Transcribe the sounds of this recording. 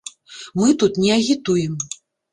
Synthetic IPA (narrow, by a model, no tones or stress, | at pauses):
mɨt̪ut̪nʲɛɐɣʲit̪ujɛm